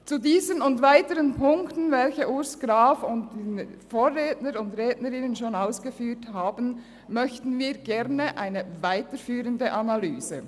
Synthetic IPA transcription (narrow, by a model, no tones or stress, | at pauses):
t͡sudiːzənʊndvaɪtəʁənpʰʊŋktn̩vɛlçəʔʊsɡ̥ɾaːfʊnt̚denfoːʁːeːtnəɾʊndʁeːdnəɾɪnənʃoːnaʊsɡ̥əfyːthaːbn̩ | mœçtn̩viːɡɛʁnəʔaɪnəvaɪtəɾfyːʁəndəʔɑnalyːzə